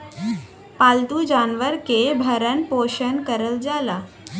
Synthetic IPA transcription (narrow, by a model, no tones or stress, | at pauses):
palt̪uːd͡ʑanʋəɾkebʱəɾənpoɕənkəɾəld͡zala